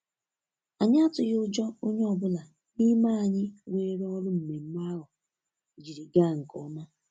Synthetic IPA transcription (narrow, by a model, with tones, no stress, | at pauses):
a˨ɲɪ˦a˦tʊ˨ɣʊ˦d͡ʒɔ˦o˦ɲe˦ɔ˨bʊ˦la˨ | ni˦ma˦a˨ɲɪ˦wʷe˦˨˦ɾɔ˦lʊ˦m̩˨me˨m̩˦ma˦ɦʊ˨ | d͡ʒi˨ɾi˨ɡa˦˨ŋ̩˨kɔ˦ma˦